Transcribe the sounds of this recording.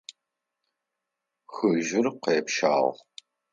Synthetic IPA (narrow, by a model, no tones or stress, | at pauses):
xɨʒɪrqeːpʃa̰ːʁ